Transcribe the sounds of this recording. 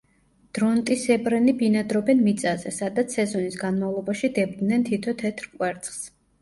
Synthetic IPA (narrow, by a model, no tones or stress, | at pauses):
d̪̥ɾɔnt̪ʼisɛbɾɛnibinad̪ɾɔbɛnmit̪sʼazɛ̰sad̪at̪sʰɛzɔnisɡanmavlˠɔbaʃid̪ɛbd̪nɛnt̪ʰit̪ʰɔt̪ʰɛt̪ʰɾkʼwɛɾt̪sʼχs